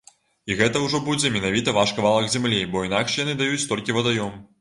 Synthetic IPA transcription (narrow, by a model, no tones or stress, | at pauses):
iɣɛt̪ɐwʐɔbud͡zʲɛmʲɛnavʲit̪ɐvaʂkɐvalˠɐkzʲɛmlʲibɔinakʂjanɨd̪ajut͡sʲt̪ɔlʲkʲivɐd̪ajɔm